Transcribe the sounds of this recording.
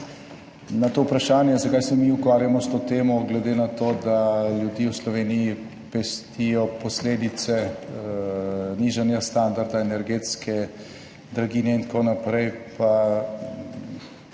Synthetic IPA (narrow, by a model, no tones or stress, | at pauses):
nat̪oːupɾaʃaːnjɛzakaːjsɛmiukʋaːɾjamɔst̪oːt̪eːmɔɡlɛd̪eːnat̪oːd̪aljud̪iːwslɔʋeːniji | pɛst̪ijɔpɔsleːd̪it̪sɛ | niːʒanjast̪and̪aɾd̪aɛnɛɾɡeːt̪skɛ | d̪ɾaɡiːnɛint̪konapɾɛjpa